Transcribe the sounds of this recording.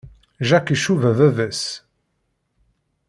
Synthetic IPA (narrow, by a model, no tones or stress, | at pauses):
ʒækiʃuvævævæs